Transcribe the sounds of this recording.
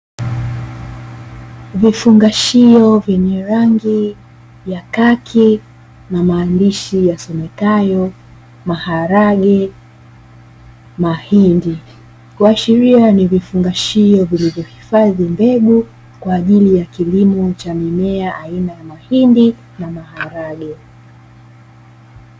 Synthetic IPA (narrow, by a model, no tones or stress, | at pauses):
vifuŋɡaʃiɔvjɛɲɛɾaŋɡi | jakakʰi | namaːndiʃijasɔmɛtajɔ | mahaɾaɠɛ | mahindi | kwaʃɛɾianivifuŋɡaʃiɔvilivjɔhifaðimbɛɓu | kwaːʄilijakilimɔt͡ʃamimɛaʔainajamahindi | namahaɾaɠɛ